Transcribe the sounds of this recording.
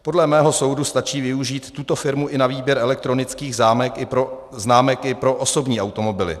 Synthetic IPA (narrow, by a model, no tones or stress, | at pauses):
po̞dlɛmɛːɦo̞so̞wdust̪at͡ʃiːvɪuʒiːt̪ːut̪o̞fɪɾmuʔɪnaviːbjɛɾʔɛlɛk̚t̪ɾo̞nɪt͡skiːɣzaːmɛkɪo | znaːmɛkɪpɾo̞ʔoso̞bɲiːawt̪o̞mo̞bɪlɪ̰